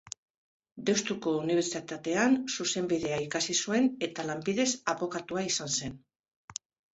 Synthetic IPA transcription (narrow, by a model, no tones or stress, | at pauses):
d̪e̞wst̪uko̞uniβ̞e̞ɾsit̪at̪e̞ansuse̞mbiðe̞aikasisue̞ne̞t̪alambiðe̞saβo̞kat̪uaisanse̞n